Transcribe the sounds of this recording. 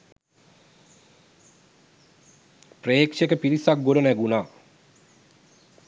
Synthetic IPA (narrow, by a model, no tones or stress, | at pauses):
preːkʂekəpiɾisak̚ɡoɾənæɡunaː